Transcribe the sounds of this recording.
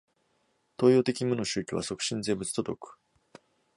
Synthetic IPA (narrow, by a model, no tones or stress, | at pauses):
t̪o̞ːjo̞ːt̪e̞kʲimono̞ɕɨːkʲiβa̰so̞kɯ̟̥ɕĩnd͡ze̞ːbɯt͡sɨ̥t̪od̪o̞̰kɯ̥